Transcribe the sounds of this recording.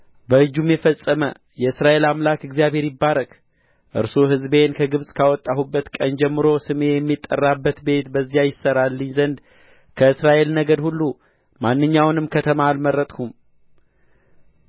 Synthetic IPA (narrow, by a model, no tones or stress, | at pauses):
bəɨd͡ʒːumjɛfəsʼəmə̰ | jɛɨsɾaʔe̞lamlakɨɡzijaβhe̞ɾjɪbːaɾək | ʔɨ̰ɾsoɦɨzbe̞nkʰəɡɨβsʼkʰawɔt̪ʼːahubːət̪kʼənd͡ʒɛmːɨɾo̞sɨme̞jɛmːit̪ʼːə̰rːabːət̪be̞t̪bəzːijajɪsːəɾalːəɲːzənd̪ | kʰəɨsɾaʔe̞lnəɡəd̪hulːu | manːɨɲːawnɨmkʰət̪ʰəmaːlməɾːət̪ʼkʰum